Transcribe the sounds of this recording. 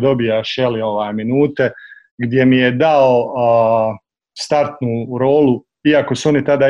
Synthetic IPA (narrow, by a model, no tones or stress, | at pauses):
d̪o̞bijaʃelio̞ʋaːjminuːt̪e̞ | ɡd̪je̞mije̞d̪ao | st̪aɾt̪nuːɾo̞ːlu | iako̞suo̞nit̪ad̪a